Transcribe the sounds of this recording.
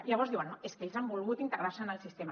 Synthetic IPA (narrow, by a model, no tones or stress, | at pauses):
ilaβɔɾzðiwanoeskeʎzambulˠɣut̪int̪əɣɾaɾsənəlsist̪em